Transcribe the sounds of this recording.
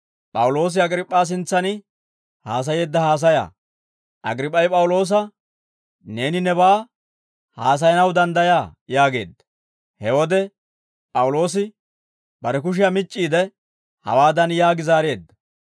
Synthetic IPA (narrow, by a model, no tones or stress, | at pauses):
pʼɐwʊlo̞ːs̬ɪɐɡɾɪpʼːaːs̬ɪnt͡sːɐnɪ | haːs̬ɐje̞ːd̪ːɐhaːs̬ɐja̰ː | ʔɐ̰ɡɾɪpʼːɐjpʼɐwʊlo̞ːs̬ɐ | ne̞ːnɪnɛbaː | haːs̬ɐjɐnɐwd̪ɐnd̪ɐjaːjaːɡe̞ːd̪ːɐ̥ | hɛwɔd̪ɛ | pʼɐwʊlo̞ːs̬ɪ | bɐɾɛk̬ʊʃ̬ɪjɐmɪt͡ʃʼːiːd̪ɛ | hɐ̰waːd̪ɐnjaːɡɪzaːɾe̞ːd̪ːɐ